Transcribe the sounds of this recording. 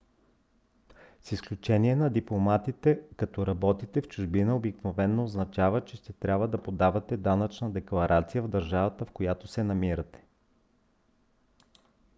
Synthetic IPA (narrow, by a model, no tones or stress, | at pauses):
sisklʲut͡ʃɛniɛnɐd̪iplˠomat̪it̪ɛkɐt̪ɔɾɐbɔt̪it̪ɛft͡ʃʊʒbinəobiknovɛnːoːznɐt͡ʃavət͡ʃɛʃt̪ɛt̪ɾʲabvəd̪ɐpod̪avɐt̪ɛd̪anɐt͡ʃnəd̪ɛklˠɐɾʔat̪sijəvd̪ɐɾʒavət̪əfkojat̪osɛnɐmiɾət̪ɛ̥